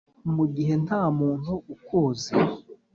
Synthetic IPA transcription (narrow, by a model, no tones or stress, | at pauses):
muɡiɦe̞nhaːmuːnhuukuːze